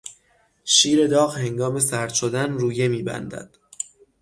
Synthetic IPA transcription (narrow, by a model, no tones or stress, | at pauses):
ʃiːɾe̞d̪ɒːɣhe̞ŋɡɒːme̞sæɾd̪̥ʃod̪ænruːje̞miːbæ̰nd̪æ̰d̪̥